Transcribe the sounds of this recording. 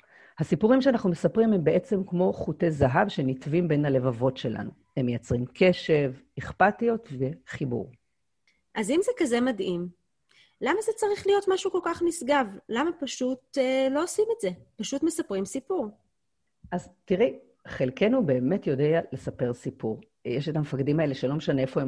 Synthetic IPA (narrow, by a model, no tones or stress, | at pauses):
hasipuʁimʃeanaχnume̞sapʁimhembeʔet͡se̞mkmo̞χutezaɦavʃenitvimbe̞nhale̞vavo̞tʃe̞la̰nu | hemːejat͡sʁimkʰe̞ʃe̞viχpatijo̞tveχibṵʁ | ʔazimzekaze̞madim | lamazet͡saʁiχlijo̞tmaʃuko̞lkaχnisɡavlamapaʃutelo̞osimetze̞paʃutme̞sapʁimsipuʁ | ʔaztiʁɛ | χelkenube̞ːme̞tjo̞deale̞sape̞ʁsipuʁ | jeʃetamefakdimaeleʃelo̞meʃaneefo̞e